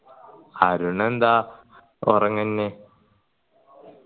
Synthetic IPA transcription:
aɾuɳend̪a | o̰rɐŋːɐnːe

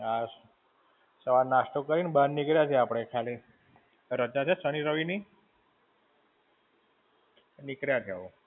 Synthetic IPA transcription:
a | səʋaɾnaʂʈəkəɾinbannikɾjat͡ʃʰeapɽ̃ekʰali | ɾət͡ʃat͡ʃʰesəniɾəʋini | nikɾjat̪ʰjaʋo

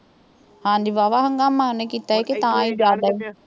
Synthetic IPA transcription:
hãːnd̪iʋaːʋaɦəŋɡaːmãːnekit̪aɦɛket̪ãid͡ʒaːd̪aeː

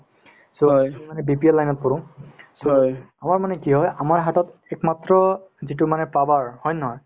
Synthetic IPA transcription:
somanɛbipiɛlːajnɔt̚pɔɹʊ̃so | amaɹmanɛkiɦɔjamaɹɦatɔtɛkmatɹɔzit̬umanɛpabaɹhɔjnɔɦɔj

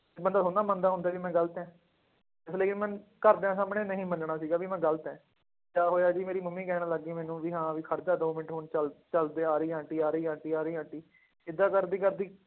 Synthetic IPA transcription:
bənd̪aːsʰoːnaːmənd̪aːɦʊ̃nd̪aːʋiːmɛ̃ːɡəlt̪ɛ̃ː | ɪsleːkɪnmɛ̃nkəɾd̪eãːs̬aːmɳeːnəɦĩːmənɳaːsiːɡaːʋiːmɛ̃ːɡəlt̪ɛ̃ː | kaːɦoːjaːd͡ʒiːmeːɾiːmʊmːĩːkɛːnaːləɡːiːmɛːnũːʋiːɦãːʋiːkʰəɾd̪aːd̪oːmɪʈɦoːɳt͡ʃəlt͡ʃəld̪eːaːɾiːãːɳʈiːaːɾiːãːɳʈiːaːɾəiːãːɳʈiː | ɪd̪ːãːkəɾd̪iːkəɾd̪iː

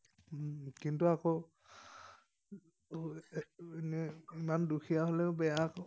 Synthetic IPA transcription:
kintuako | enɛimandukʰijaɦolɛʊbɛjak

